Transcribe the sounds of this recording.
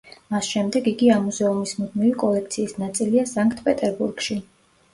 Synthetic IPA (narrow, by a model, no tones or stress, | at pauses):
masʃɛmd̪ɛɡiɡiamuzɛumismud̪̚mivikʼɔlɛk̚ʰt̪sʰiːsnat̪sʼiliasaŋkʼt̪ʰpʼɛt̪ʼɛɾbuɾɡ̥ʃi